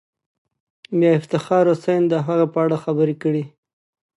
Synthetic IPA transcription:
mjɑɪft̪ɪxɑɾosajnd̪əɦaɣapəaɽaxabəɾekəɽi

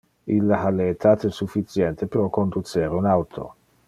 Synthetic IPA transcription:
ilːaaleːt̪ʰat̪esufːit̪sjɛnt̪epeɾɔkond̪ut͡ʃeɾeunawt̪ʰo̰

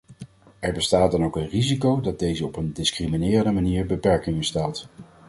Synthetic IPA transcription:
ɛɹbəstaːd̚ɑnowkənrizikowdɑd̚dejzəɔpəndɪskriminɪːrəndəmaniːɹbəpɛɹkɪŋəstaːt

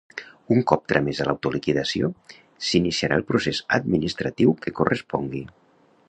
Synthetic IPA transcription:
uŋkɔp̚t̪ɾamezəlawt̪ulikiðəsio | sinisiaɾʔalˠpɾusezəd̪minist̪ɾat̪iwkəkurəspɔŋɡi

